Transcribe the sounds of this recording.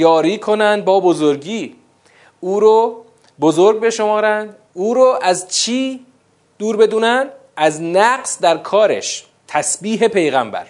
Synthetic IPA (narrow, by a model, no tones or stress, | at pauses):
jɒːɾiːkʰo̞nænd̪̚bɒːbozoɾɡiː | uːɾo | bozoɾɡ̚be̞ʃomɒːɾænd̪ | uːɾoʔæzt͡ʃʰiː | d̪̥uːɾbe̞d̪uːnænd̪ | æznæɢsd̪æɾkʰɒːɾḛʃ | t̪ʰæsbiːɦe̞pʰe̞jɣæmbæ̰ɾ